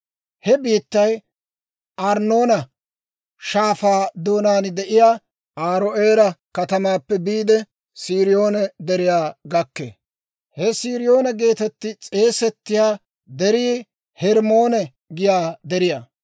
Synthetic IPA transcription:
hɛbiːt̪ːɐj | ʔɐɾno̞ːnɐ | ʃaːfaːd̪oːnaːnd̪ɛʔɪjaː | aːɾoʔeːɾɐkɐt̪ɐmaːpːɛbiːd̪ɛ | siːɾɪjo̞ːnɛd̪ɛɾɪjaːɡɐkːḛ | hɛsiːɾɪjo̞ːnɐɡe̞ːt̪ɛt̪ːɪt͡sʼe̞ːsɛt̪ːɪjaː | d̪ɛɾiː | hɛɾmo̞ːnɛ | ɡɪjaːd̪ɛɾɪja

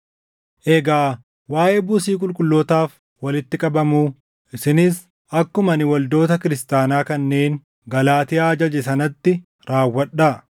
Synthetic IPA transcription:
ʔɛɡaː | waːʔeːbuːsiːkʼʊlkʼʊlːoːt̪aːf | wɐlɪt̪ːɪkʼɐbɐmuː | ʔɪsɪnɪs | ɐkːʊmɐnɪwɐld̪o̞ːt̪ɐkɪɾɪst̪aːnaːkɐnːe̞ːn | ɡɐlaːt̪ɪjaːd͡ʒɐd͡ʒɛsɐnɐt̪ːɪ | ɾaːwːɐᶑːa

